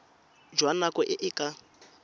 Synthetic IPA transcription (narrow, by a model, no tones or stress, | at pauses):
d͡ʒwanakɔʔɪʔɪkʼa